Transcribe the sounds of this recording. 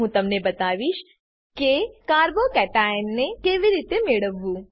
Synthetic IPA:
ũt̪ɐmnebɐt̪aːʋiʃ | kekaːɾbokɛːʈaːɪnːekeːʋiɾiːt̪emeɽəʋːu

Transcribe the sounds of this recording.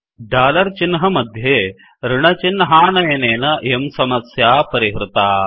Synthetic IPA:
ɖaːlɐɾt͡ʃinɦɐmɐd̪ʱjeː | ɾɪɳɐt͡ʃinːɦaːnɐjɐneːnɐemsɐmɐsjaːpɐɾiɦɾɪt̪aː

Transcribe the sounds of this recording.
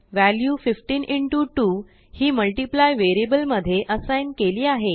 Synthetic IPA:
ʋæljuːfifʈiːniɳʈuʈuː | hiːməlʈiplajʋeɾiebəlməd̪ʱːjeʔəsajnkeliːaɦe

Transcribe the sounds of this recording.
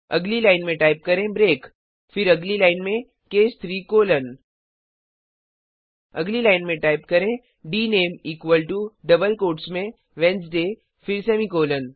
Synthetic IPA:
ɐ̰ɡlilaːɪnmẽʈaːɪp̚kɐɾẽbɾeːk | fɪɾɐɡlilaːɪnmẽ | keːst̪ʰɾiːkoːlən | ɐɡlilaːɪnmẽʈaːɪp̚kɐɾẽ | ɖiːneːmiːkʋəlʈuɖɐbəlkoːʈsmẽ | ʋɛ̃ns̬ɖeː | fɪɾseːmikoːlən

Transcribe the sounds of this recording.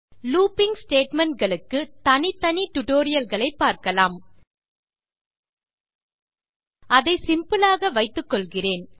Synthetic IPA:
luːpɪŋɡsʈeːʈmɛɳʈ̚ɡɐɭɯkːɯt̪ɐnɪt̪ːɐnɪʈ̪ʊʈoːɾɪjɐlɣɐɭɐɪpːaːɾkɐlaːm | ɐðɐɪsɪmpɯlaːɣɐʋɐɪt̪ːɯkːɔɭɣɪreːn

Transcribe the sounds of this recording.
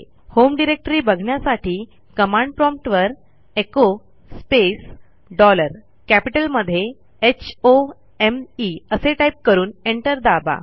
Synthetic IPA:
homɖiɾek̚ʈɾiːbəɡʱɳjasaʈʰiː | kəmãɳɖ̚pɾɔmpʈʋəɾ | eko | spes | ɖɔləɾ | kæpiʈəlməd̪ʱːje | et͡ɕʰo | emiəseʈajp̚kəɾuːneɳʈəɾd̪aba̰

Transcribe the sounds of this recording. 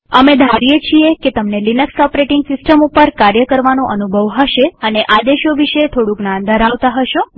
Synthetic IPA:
əmed̪ʱaɾijet͡ʃʰieket̪əmnelinəksɔpɾeʈɪŋɡsɪsʈəmupəɾkaɾjəkəɾʋanoʔənubʱəʋɦəʃeəneʔad̪eʃoʋiʃet̪ʰoɽũknãnd̪ʱəɾaʋt̪aɦəʃo

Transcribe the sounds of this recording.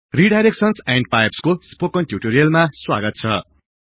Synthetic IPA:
riɖajɾek̚sʌnsãɳɖ̚pajbskospokʌnʈjuʈoɾijʌlmaswaɡʌt̪̚t͡sʰʌ

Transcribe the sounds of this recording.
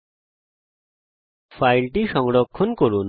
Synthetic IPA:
fajlʈiʃɔŋɽokʰːonkoɾun

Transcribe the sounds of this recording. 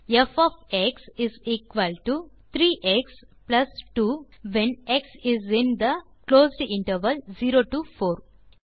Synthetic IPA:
efɔfeksiziːkʋəlʈut̪ʰɾiːʔeks | plɐsʈuːʋẽneksizĩnd̪əkloːzɖɪ̃ɳʈəɾʋəlziːɾoʈufoːɾ

